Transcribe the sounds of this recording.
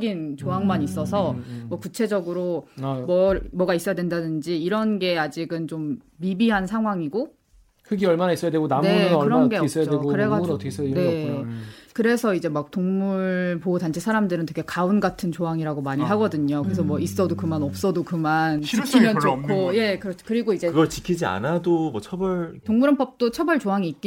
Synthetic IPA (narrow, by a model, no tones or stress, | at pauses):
ɡint͡ɕoɦaŋmaɲis͈ʌsʰʌmwʌkut͡ɕʰe̞d͡ʑʌɡɯɾomʌmʌɡais͈ʌjadwendadɯnd͡ʑiːɾʌnɡe̞ad͡ʑiɡɯnt͡ɕomː | ibiɦansʰaŋɦwaŋiɡo | kʰɯɡiʌɭmanais͈ʌjadweɡonamnekɯɾʌɡeʌs͈jaoeɡkɯɾeɡatʰsne̞ | kɯɾe̞sʰʌid͡ʑe̞mak̚toŋmuɭɭɭpotant͡ɕʰesʰaɾamdɯɾɯntʰeɡʰekaunɡatʰɯnt͡ɕoɦaŋiɾaɡomaɲiɦaɡʌdɯɲokɯɾes̬ʰʌmwʌis͈ʌdokɯmanʌp̚s͈ʌdokɯmanikʰːimjʌnt͡ɕokʰoje̞kɯɾʌt͡ɕʰkɯɾiɡoid͡ʑe̞ɯɡʌt͡ɕi̥kʰid͡ʑia̰nadomwʌt͡ɕʰʌbʌɭtoŋmuɾanp͈ʌp̚t͈ot͡ɕʰʌbʌɭt͡ɕoɦaŋiːk͈i